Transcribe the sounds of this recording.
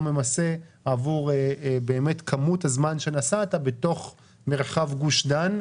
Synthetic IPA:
me̞mase̞ | avuʁbe̞ːme̞tkʰamutazmanʃe̞nasatabeto̞χ | me̞ʁχavɡuʃdan

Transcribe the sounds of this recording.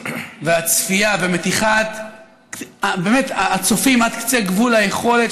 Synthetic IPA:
veat͡sfiavemet̪iχat̪ | kabemet̪aːt͡sofimad̪kt͡seɡvulajeχo̞let

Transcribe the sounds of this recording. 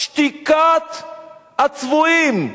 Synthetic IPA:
ʃt̪ikat̪ | at͡svuim

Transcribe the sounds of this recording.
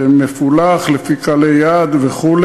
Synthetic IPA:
emefulaχlefikalejad̪veχul

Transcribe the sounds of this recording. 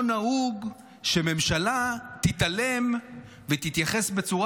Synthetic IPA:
nauɡ | ʃeme̞mʃalat̪it̪alem | vet̪it̪jaχe̞sbe̞t͡suʁa

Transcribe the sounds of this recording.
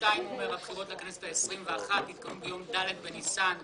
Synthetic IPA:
taimomeʁhabχiʁo̞tlekanesetaesʁimveaχat̪it̪̚kamubejo̞mdaled̪̚benisan

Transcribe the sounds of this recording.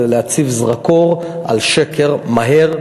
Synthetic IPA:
leat͡sivzʁako̞ʁ | a̰lʃekʰe̞ʁmaɦeʁ

